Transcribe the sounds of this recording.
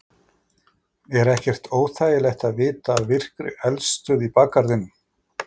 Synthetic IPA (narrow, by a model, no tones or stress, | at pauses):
ɛɾɛhcɛr̥t̪ʰoːwθaːjɪlɛxt̪aðvɪːt̪aːðvɪr̥kɾʏ̰ɛlst̪ʏðipaːkaɾðɪnːʏm